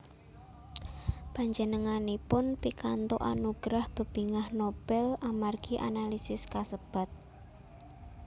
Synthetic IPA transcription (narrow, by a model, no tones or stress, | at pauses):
paɲd͡ʒənəŋanipʊnpikant̪oʔa̰nuɡ̥ɾahb̥ə̤b̥i̤ŋahnob̥ɛlamarɡ̥iʔa̰nalisɪskasəb̥a̤t̪̚